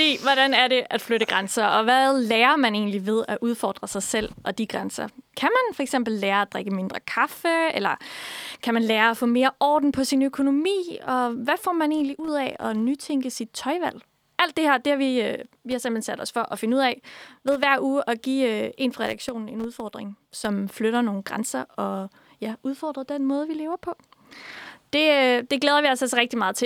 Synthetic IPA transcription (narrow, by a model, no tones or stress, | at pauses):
fd̥ḭːʋɒɾænæɐɾe̝ʔæd̥fløɾəɡ̥ʁansɐɒ̽ʋælɛːɐmæne̝̰ːnliʋe̝ð̞ˠæʔuð̞ˠfɒ̰ːd̥ʁɐsɑ̈ɪsel̰ʔɒ̽d̥iɡ̥ʁansɐkʰæmænfɒeɡ̥sem̰b̥l̩ːæːɐæd̥ʁeɡ̥əme̝nd̥ʁɐkʰɑfəelɐkʰæmænlɛːɐːfɔ̰̽ːme̝ːɐʔɒ̰ːd̥n̩pʰɒ̽sinøkʰo̝no̝mḭːɒ̽ʋæfɒ̰ːmæne̝̰ːnliʔuð̞̰ˠɛɒ̽nyt͡sʰeŋɡ̥əsid̥̚t͡sʰɒ̽ɪʋæl̰ | ʔæl̰d̥ːe̝hæɐ̰d̥e̝hɑʋi | ʋihɑ̈sem̥lensæd̥ɒ̽sfɒ̽ʔɒ̽fe̝nəuð̰ˠɛɪʋe̝ð̞ˠʋæɐ̰uːʔɒ̽ɡ̥ḭːe̝̰ːnfɑʁɛd̥ɑ̈ɡ̥ɕo̝̰ːnn̩e̝nuð̞ˠfɒ̰ːd̥ʁeŋ | sɒ̽mfløɾɐno̝ːn̩ɡ̥ʁansɐɒ̽ | jæuð̞ˠfɒ̰ːd̥ʁɐd̥enmɔ̽ːð̞ˠʋile̝ːʊɐpʰɒ̽ | d̥e̝d̥e̝ɡ̥leːð̞ˠɐʋiɒsɒsʁɛɡ̥̚d̥imɑ̈ːð̞̩ˠt͡sʰe